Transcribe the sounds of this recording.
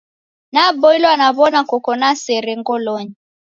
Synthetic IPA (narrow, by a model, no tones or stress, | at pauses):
nabɔilɔanaβɔnakɔkɔnasɛɾɛŋɡɔlɔɲi